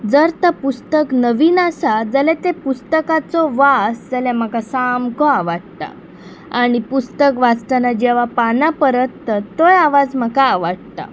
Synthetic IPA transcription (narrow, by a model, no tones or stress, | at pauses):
d͡zəɾt̪əpust̪əknəʋinasad͡zəlɛt̪epust̪əkat͡sɔʋasd͡zaljam̤akasamkɔaʋaɽt̪a̰ | aɽ̃ipust̪əkʋad͡zt̪anad͡ʑɛʋ̤apanapəɾət̪ːat̪ːojaʋad͡zm̤akaːʋaɽt̪a̰